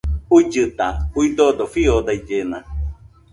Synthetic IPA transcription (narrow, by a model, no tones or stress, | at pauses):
uid͡ʒɨt̪auid̪ɔd̪ofiod̪aid͡ʒenã̰